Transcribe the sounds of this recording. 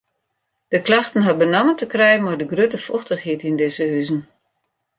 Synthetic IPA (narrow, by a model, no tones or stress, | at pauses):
d̥əklaxtən̩ɦɔt̚bənɔməntəkrɛjmardəɡrøtəfɔxtəxhitindɪzəɦyzən̩